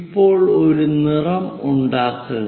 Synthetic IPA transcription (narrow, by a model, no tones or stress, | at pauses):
pːo̞ːɭoɾunirɐmuɳɖaːkːuɣ